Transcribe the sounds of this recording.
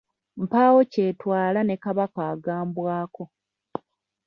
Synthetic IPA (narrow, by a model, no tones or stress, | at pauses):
m̩paːwo̞ce̞ːtwaːlane̞kaβakaːɡaːmbwaːko̞